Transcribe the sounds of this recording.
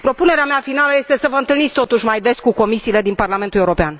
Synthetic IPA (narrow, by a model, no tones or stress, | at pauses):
pɾo̞pune̞ɾeameafinaləje̞st̪e̞səvəɨnt̪ɨlnitsʲt̪ot̪uʃmajd̪e̞skuko̞misiːle̞d̪inparlament̪uleuɾopean